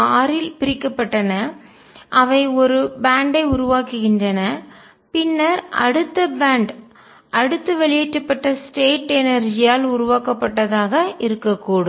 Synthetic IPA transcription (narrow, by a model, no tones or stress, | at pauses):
aːɾɪlpɪɾɪkːɐpːɐʈːɐnɐ | ʔɐʋɐɪɔɾɯbaːɳɖɐɪʊɾʊʋaːkɯɣɪndrɐnɐ | pɪnːɐɾʔɐ̰ɽɯt̪ːɐbaːɳɖ | ʔɐɽɯt̪ːɯʋɛɭɪjɛʈrɐpːɐʈːɐsʈeːʈɛnɐɾd͡ʒɪjaːlʊɾʊʋaːkɐpːɐʈːɐðaːɣɐɪɾɯkːɐkːuːɽɯ